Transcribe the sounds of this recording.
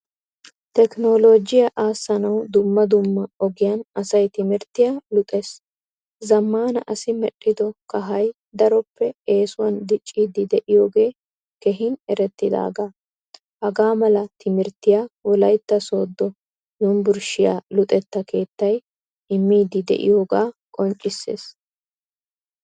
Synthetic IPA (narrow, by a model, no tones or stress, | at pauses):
t̪ɛkno̞ːlo̞ːd͡ʒɪjaʔaːsːɐnɐwd̪ʊmːɐd̪ʊmːɐɔɡɪjɐnɐsɐjt̪ɪmɪɾt̪ːɪjaːlʊt̪ʼeːs | zɐmːaːnɐʔɐsɪmɛɗʼːɪd̪ɔkɐɦɐj | d̪ɐɾɔpːɛe̞ːsʊwɐnd̪ɪt͡ʃʼːiːd̪ɪd̪ɛʔɪjo̞ːɡe̞ː | kɛɦɪnɛɾɛt̪ːɪd̪a̰ːɡaː | hɐɡaːmɐlɐt̪ɪmɪɾt̪ːɪjaːwɔlɐjt̪ːɐso̞ːd̪ːɔ | junbʊɾʃɪja̰ːlʊt̪ʼɛt̪ːɐke̞ːt̪ːɐj | ɪmːiːd̪ɪd̪ɛ̰ʔɪ̰jo̞ːɡaːkʼɔnt͡ʃʼːɪsːe̞̰ːs